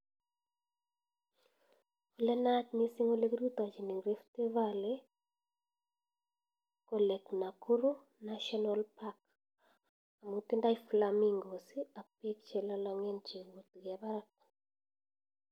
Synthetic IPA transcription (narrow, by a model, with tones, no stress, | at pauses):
o˨lɛ˦na˦tni˦si˦ŋo˦le˦kɾu˦t̪a˨t͡ʃi˨ni˨ŋɾe˦fti˦vale˦ | ko˨le˨kna˨ku˦ɾu˦ | naʃɔna˦lpa˦k | a˨mu˨t̪i˦nda˦ɪflami˦ŋɡo˨si˦a˨pe˦k̚t͡ʃɛ˨la˦lɔ˨ŋɛ˦nt͡ʃe˨wo˨t̪ɡɪ˨a˨ba˦ɾa˦k̚